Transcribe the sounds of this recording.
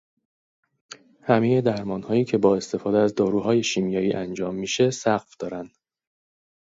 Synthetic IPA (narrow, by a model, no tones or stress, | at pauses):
hæmeje̞d̪æɾmɒːnhɒːjiːcʰe̞bɒːe̞st̪e̞fɒːd̪eæzd̪ɒːɾuːɦɒːje̞ʃimjɒːjiːʔænd͡ʒɒːmːiːʃe̞sæɢfd̪̥ɒːɾænd̪̥